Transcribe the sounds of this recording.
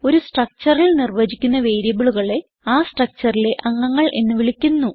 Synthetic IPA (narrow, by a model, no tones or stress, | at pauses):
o̞ɾusʈrɐk̚t͡ɕɐrilnirʋɐd͡ʑikʲːunːɐʋe̞ːjɾjɐbiɭuɣɐɭe̞ | aːsʈrɐk̚t͡ɕɐrile̞ʔɐŋːɐŋːɐɭʔe̞nːɨʋiɭikʲːunːu